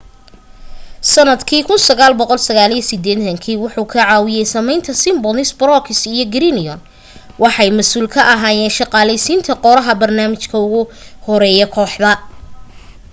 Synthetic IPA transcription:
sɐnɐd̪kʰiːkʰʊnsɐɣaːlbɔqɔlsɐɣaːlijɐsɪd̪ɛːɐŋkʰiːwʊħuːkʰɐʕɑːwɪjɛjsɐmɛjnt̪ʰɐsɪmbɔnɪsbɾɔkʰɪsijɔɡɾinɪɔn | wʔɑħɑjmɐsuːlkʰɐʔɐɦaːjɛːnʃɑqɑːlɛjsiːnt̪ʰɐqɔɾɐɦɐbɐrnaːmɪt͡ʃkʰɐʊɣʊhɔɾɛːjɔkʰɔːħðɐ

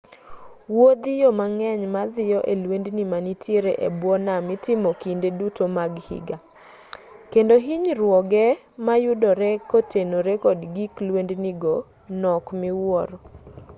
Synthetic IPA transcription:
wod̪ijɔmaŋɛɲmad̪ɪjɔʔelwendnimanitʰjeɾeʔḛbwɔnamɪtɪmokindedutomaɡhḭɡa | kendoɦiɲɾwɔɡɛ | majʊdɔɾɛkotenoɾekɔdɡiklwendniɡɔ | nɔkmɪwɔɾ

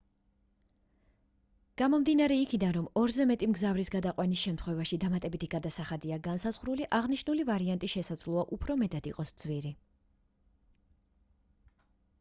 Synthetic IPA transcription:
ɡ̥amɔmd̪inaɾɛikʰid̪anɾɔmɔɾzɛmɛt̪ʼimɡzavɾisɡad̪aqʼwanisʃɛmt̪ʰχwɛvaʃid̪amat̪ʼɛbit̪ʰiɡ̥ad̪asaχad̪iaɡansazʁɾuliʔaʁniʃnulivaɾiant̪ʼiʃɛsad̪zlˠuaʔupʰɾɔmɛt̪ʼad̪iqʼɔsd̪z̥vwiɾi

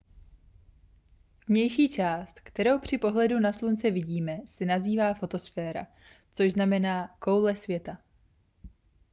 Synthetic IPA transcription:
vɲɛjʃiːt͡ʃaːst̪kt̪ɛɾo̞wpr̝̥ɪpo̞ɦlɛdunaslunt͡sɛvɪɟiːmɛsɪnaziːvaːfo̞t̪o̞sfɛːɾa̰ | t͡soʒznamɛnaːko̞wlɛsvjɛt̪a

